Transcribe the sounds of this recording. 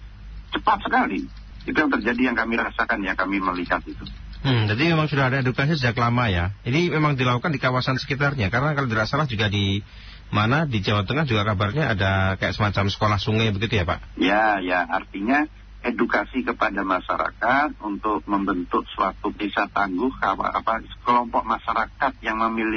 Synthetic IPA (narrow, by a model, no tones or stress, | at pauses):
t͡ʃəpat̪̚səkali | d͡ʒit̪ujaŋt̪ərd͡ʒadijaŋkamiɾasakanjakamiməliɦat̪̚it̪um̩d͡ʒadimemaŋsudaɦadaedukas̬isəd͡ʒaklamajaidimemaŋdilakukandikawasansə̥kit̪arɲakaɾənakaloʔdiɾasalahd͡ʒuɡadi | manadid͡ʒawat̪əŋahd͡ʒuɡakabarɲaːdakajaʔsəmat͡ʃamsə̥kolahsuŋajbəɡit̪ujapa̰ʔjajaa̰rt̪iɲa | edukasikəpadamaʃa̰ɾa̰kat̪̚unt̪ʊk̚məmbənt̪ʊk̚səwa̰t̪upisat̪aŋɡʊhka̰a̰a̰pakəlɔmpɔʔ̚maʃaɾakat̪̚jaŋməmilɪ